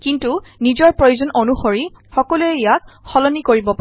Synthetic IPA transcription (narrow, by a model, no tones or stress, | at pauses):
kintunizɔɹpɹojuzɔnʔonuxoɹixɔkɔluɛijatxɔlɔnikoɹibɔpa